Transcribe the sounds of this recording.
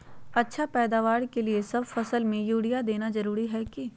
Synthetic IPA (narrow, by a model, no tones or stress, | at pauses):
ɐtːʃʰapɛːd̪aːʋaːɾkeliesɐbfɐsəlmẽjuːɽijad̪eːnazɐɾuːɾiɦɛki